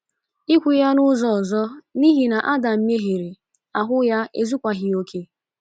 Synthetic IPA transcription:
i˦kʷu˨ja˦nʊ˦zɔ˦˨ɔ˨zɔ˦ni˦ɦi˨na˨ʔa˦da˨m̩˦me˦ɦe˨ɾe˨ | a˨ɦʊ˦ja˦ʔe˦zu˦kʷa˨ɦɪ˨o˦kʰe˦

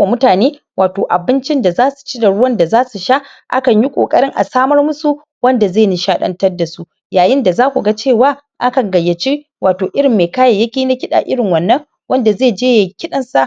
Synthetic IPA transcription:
wa˨mʊ˦taː˨neː˦ | waː˨toː˨ʔa˨bɪ˦nt͡ʃɪ˦nda˨zaː˦su̥˨t͡ʃi˦da˨ɽʊ˦wɐ˦nda˨zaː˦su˨ʃa˦ | ʔa̰˦kɐ˨ɲji˦kʷʼo̰ː˨kʼɐ˦ɽɪ˦ŋʔa̰˨saː˦mɐ˦rmʊ˦su˨ | wɐ˦nda˨zeː˦˨ni˨ʃaː˦ɗɐ̰˦ntɐ˦rda˨su˦ | jaː˨jɪ˦nda˨zaː˦kʷu˨ɡa˦t͡ʃeː˦˨waː˦ | ʔa˦kɐ˨ŋɡɐ˨jːɐ˨t͡ʃi˦ | waː˨toː˨ʔɪ˦ɽɪ˨mːeː˨kaː˦ja˨jɐ˦kʲiː˦na˦kʲɪ˦ɗa̰˨ʔɪ˦ɽɪ˨ŋwɐ˨nːɐ˦ŋ | wɐ˦nda˨zeː˦˨d͡ʒeː˦je˨kʲɪ˦ɗɐ˨nsa˦ʔ

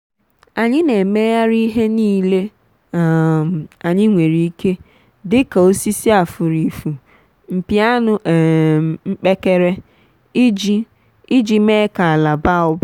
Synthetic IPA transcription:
a˨ɲɪ˦ne˨me˦ja˦ɾi˦ɦe˦niː˦le˦˨ | a˨ɲɪ˦ŋʷe˨ɾi˨i˦ke˦ | dɪ˦ka˨o˦si˦si˦a˨fʊ˨ɾi˨fu˨ | m̩˨pi˨˦a˦nʊ˨ŋ͡m̩˦k͡pe˦ke˦ɾe˦ | i˦d͡ʒi˦ | i˦d͡ʒi˨me˦ka˨la˨ba˦˨ɔ˦ba˦

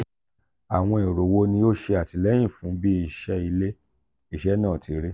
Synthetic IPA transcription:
a˨w̃ɔ̃˧e˨ɾo˨wo˦nĩ˧jo˦ʃe˧a˨ti˧lɛ˦j̃ĩ˦˨fũ˨˦bi˦i˦˨ʃɛ˧˦i˧le˦ | i˦˨ʃɛ˨˦nãː˦˨tʰi˨˦ɾe˦

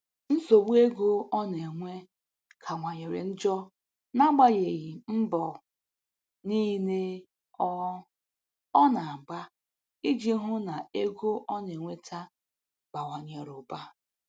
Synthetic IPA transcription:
n̩˦so˨wu˦e˦ɡo˦ɔ˦ne˨ŋʷe˦ | kʰa˨ŋʷa˨ɲe˨ɾḛ˨n̩˦d͡ʒɔ˦ | na˦ɡ͡ba˦je˨ɣi˨m̩˦bɔ˨ | ni˦ne˦ | ɔ˦ | ɔ˦na˨ɡ͡ba˦ | i˦d͡ʒi˦ɦʊ˦na˨e˦ɡo˦ʔɔ˦n˨e˨ŋʷe˦tʰa˦ | ɡ͡ba˨wa˨ɲ˨e˨ɾʊ˨ba˦

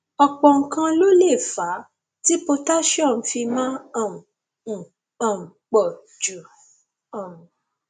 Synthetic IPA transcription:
ɔ˨k͡pɔ˨ŋ̩˨kã˧lo˦le˦˨fa˨˦ | ti˦po˧ta˦ʃɔ̃˦˨n̩˨fi˧mã˦˨ | ã˨m̩˨k͡pɔ˨ | d͡ʒu˨ | ɔ̃˨m˨

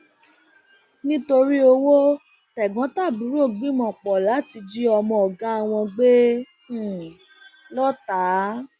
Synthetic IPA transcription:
nĩ˦to˧ɾi˦o˧wo˦ | tɛ˨ɡɔ̃˨˦ta˦˨bũ˨˦ɾo˦˨ɡ͡bĩ˦mɔ̃˨k͡pɔ˨la˨˦ti˧d͡ʒi˦ɔ˧mɔ̃˧ɔ˨ɡã˦a˧w̃ɔ̃˧ɡ͡be˦˨ | lɔ˦ta˨˦

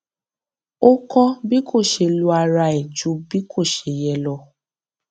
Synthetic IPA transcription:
o˦kɔ˦bi˦kʰo˦˨ʃe˧lu˧a˧ɾa˧e˨d͡ʒu˨˦bi˦kʰo˦˨ʃe˨jɛ˧lɔ˧

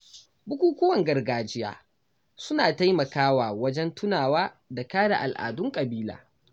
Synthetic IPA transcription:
bʊ˦kʷuː˦kʷʊ˦wɐ˨ŋɡɐ˨rɡaː˨d͡ʒɪ˦ja̰ː˦ | sʊ˦naː˨ta˦jmɐ˨kaː˦waː˨wɐ˦d͡ʒɛ˦ntʰʊ˦naː˨waː˦ | da˨kaː˦ɽa̰˨ʔa˨lʔa̰ː˨dʊ˦ŋkʼɐ˨biː˦la̰ː˨

